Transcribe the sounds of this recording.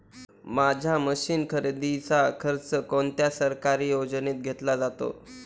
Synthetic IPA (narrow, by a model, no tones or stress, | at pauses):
mad͡ʑʱaməɕiːnkʰəɾed̪it͡sakʰəɾt͡səkont̪jasəɾkaɾiːjod͡zəniːt̪̚ɡʱet̪lad͡zat̪o̰